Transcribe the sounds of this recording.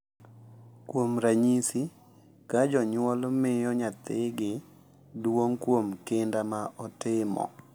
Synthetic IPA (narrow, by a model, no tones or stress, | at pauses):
kwomɾaɲisi | kad͡ʒɔɲwɔlmɪjɔɲat̪ɪɡɪ | dwoŋkwomkɪndamaʔɔtɪmɔ̰